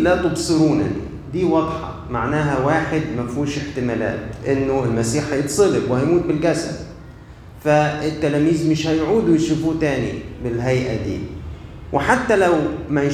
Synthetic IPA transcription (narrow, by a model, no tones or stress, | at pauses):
lat̪ʊbsˤɨɾuːnanḭ | d̪iːwɑd̪ˤħɑ̰ | maʕnaːɦawaːħɪd̪mafuːʃɪħt̪ɪmaːla̰ːt̪ʔɪnːʊɪlmasiːħhɑjɨt̪sˤɨlɪwɪhajmuːt̪̚bɪlɡæsa̰d | faɪt̪ːalæːmiːzmɪʃhæjʕuːd̪wjʃufuːt̪aːnḭbɪlɦajʔad̪ḭː | wʔɪħat̪ːalawmæj